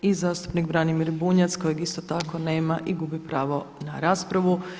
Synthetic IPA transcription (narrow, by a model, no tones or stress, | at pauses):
izaːst̪u̥pnikbɾanimiɾbuɲat̪sko̞jeɡist̪ot̪ako̞ne̞ːmaʔiɡubipɾaːʋo̞naɾaːspɾaʋu